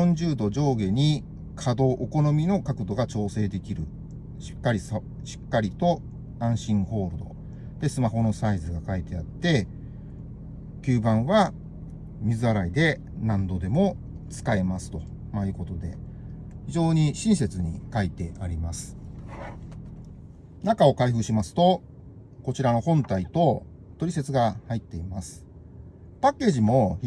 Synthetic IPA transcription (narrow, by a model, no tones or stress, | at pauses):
õɲ̟d͡ʑɨːd̪o̞d͡ʑo̞ːɡe̞ɲ̟i | kʰad̪o̞ːʔoko̞no̞mʲino̞kakɯ̟d̪o̞ɡat͡ɕo̞ːse̞ːd̪e̞kʲiɾɯ̟̰ | ɕi̥kːaɾʲis | ɕi̥kːaɾʲit̪o̞ | ãɰ̃ɕĩɰ̃ho̞ːɾɯ̟d̪o̞̰ | d̪̥e̞sɨmaɦo̞no̞saizɨɡakait̪e̞at̪ːe̞ | kʲɨːbãɰ̃βa | mʲizɨaɾaid̪e̞ | nãnd̪o̞d̪e̞mo̞ | t͡sɨ̥kae̞masɨ̥t̪o̞ | majɯ̟ko̞t̪o̞d̪e̞ | çiʑo̞ːɲ̟iɕĩɰ̃s̬e̞t͡sɨɲ̟ikait̪e̞ʔaɾʲimasɨ̥ | nakao̞kaiɸɯ̟ɕimasɨ̥t̪o̞ | ko̞t͡ɕiɾano̞hõ̞nt̪ait̪o̞ | t̪o̞ɾʲise̞t͡sɨɡahait̪ːe̞imasɨ̥ | pakːe̞ːʑimo̞